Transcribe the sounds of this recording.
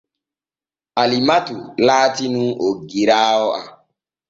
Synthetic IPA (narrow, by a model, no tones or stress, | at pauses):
alimatulaːtinũoɡiɾaɔʔa